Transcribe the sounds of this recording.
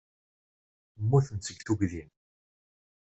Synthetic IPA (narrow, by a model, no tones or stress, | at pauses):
mːuθənt͡sːəɡθuʝðin